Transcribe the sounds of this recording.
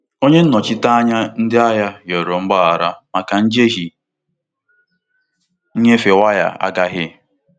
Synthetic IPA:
o˦ɲe˦n̩˦ɔ˨t͡ʃɪ˦ta˦a˦ɲa˦n̩˦dɪ˦a˦ja˦jo˨ɾo˨ŋ͡m̩˦ɡ͡ba˦a˨ɾa˦ma˨ka˨n̩˦d͡ʒe˦ɦi˨˦ | ɲe˦fe˨wa˦ja̰˦a̰˦ɡa˦ɦɪ˦

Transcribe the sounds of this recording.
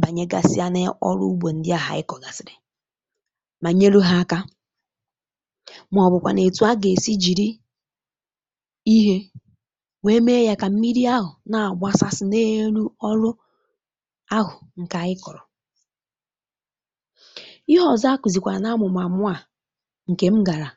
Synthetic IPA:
ba˨ɲe˦ɡa̰˨sɪ˦a˦ne˦ɔ̰˦ɾʊ̰˦u˦ɡ͡bʷo˨n̩˦dɪ˦a˨ɦa̰˨ɪ˦kɔ˨ɡa˨sɪ˨ɾɪ˨ | ma˨ɲe˦lu˦ɦa˦a˦ka˦ | m˨ɔ˨bʊ˨kʷa̰˨ne˨tu˨˦a˦ɡe˨si˦d͡ʒi˨ɾi˦ | i˦ɦe˦ | we˦me˦ja˦ka˨m̩˦mi˦ɾi˦a˦ɦʊ˨na˨a˨ɡ͡ba˦sa˦sɪ˦ne˦ɾu˦ɔ˦ɾʊ˦ | a˦ɦʊ˨ŋ̩˨ka˨ɪ˦kɔ˨ɾɔ˨ | ɪ˦ɦɔ˦˨za˦kʷi˨zi˨kʷa˨na˦mʊ˨m˨a˨mʊ˦a˨ | ŋ̩˨ke˨m̩˦ɡa˨ɾa˨

